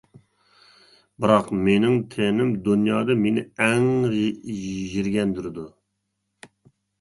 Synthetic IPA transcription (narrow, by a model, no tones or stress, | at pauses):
bɨɾɑqmenɪŋt̪ʰenɪmd̪unjɑːd̪ɨmenɪ̰ɛŋ | ʒiɾɡʲɛnd̪yɾɪd̪u